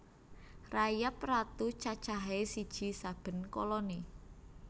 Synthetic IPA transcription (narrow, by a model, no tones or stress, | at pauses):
rajaprat̪ut͡ʃat͡ʃaɦesid̥ʒ̥i̤sab̥ə̤nkolɔne